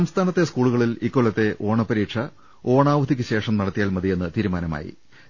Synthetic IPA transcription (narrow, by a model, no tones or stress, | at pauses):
ɐmst̪ʰaːnɐt̪ːe̞skuːɭuɣɐɭilikːoɭːɐt̪ːe̞ʔo̞ːɳɐpɐɾiːʈʂɐ | o̞ːɳaːʋɐd̪ik̬ʲːɨɕe̞ːʂɐmnɐɽɐt̪ːijaːlmɐd̪ije̞nːɨt̪iːɾumaːnɐma̰ːjḭ